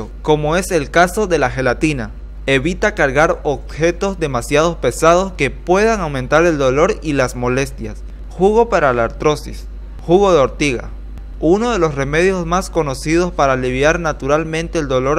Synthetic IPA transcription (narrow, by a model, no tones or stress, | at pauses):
oko̞mo̞e̞se̞lkaso̞ðe̞laxe̞lat̪ina | eβit̪akaɾɣaɾoβxe̞t̪o̞zd̪e̞masjað̞o̞spe̞sað̞o̞ske̞pwe̞ðaŋawmẽ̞nt̪aɾe̞ld̪o̞lo̞ɾilasmo̞le̞st̪ja̰s | xuɣ̞o̞paɾalaɾt̪ɾo̞sis | xuɣo̞ðeo̞ɾt̪iɣa̰ | uno̞ð̞e̞losre̞me̞ð̞jo̞smasko̞no̞sið̞o̞spaɾaːliβjaɾnat̪uɾalmẽ̞nt̪eːld̪olo̞ɾ